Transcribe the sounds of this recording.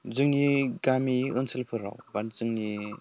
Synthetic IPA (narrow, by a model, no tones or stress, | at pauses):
zɯŋniɡamiɯnsilpʰɯɾa̰wbanzɯŋni